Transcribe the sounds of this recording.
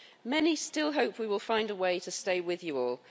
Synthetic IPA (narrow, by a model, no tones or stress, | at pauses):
mɛnistɪlˠɦəʊpʰwiwɪlˠfãɪ̃ndəweɪtʰəsteɪwɪðjəɔːlˠ